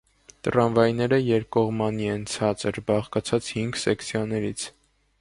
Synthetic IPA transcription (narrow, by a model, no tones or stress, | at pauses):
t̪əɾɑnvɑjnɛɾəjɛɾkɔʁmɑniɛnt͡sʰɑt͡səɾbɑχkɑt͡sʰɑt͡shiŋɡsɛkt͡sʰjɑnɛɾit͡sʰ